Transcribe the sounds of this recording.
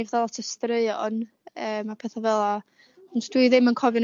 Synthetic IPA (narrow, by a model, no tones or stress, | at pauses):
vðɛlˠɔtʰəstrəɨɔn | əːmapʰeːθavɛlˠa | ʊntʰd̥wiɨðɪmənkʰɔvjɔn